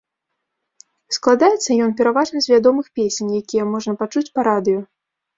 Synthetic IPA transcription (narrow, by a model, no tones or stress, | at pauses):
sklˠad̪ajɛt̪sːɐjɔnpʲɛɾavaʐnɨzʲvʲad̪ɔmɨxpʲesʲenʲjakʲijɐmɔʐnɐpat͡ʂut͡sʲpɐɾad̪ɨjɔ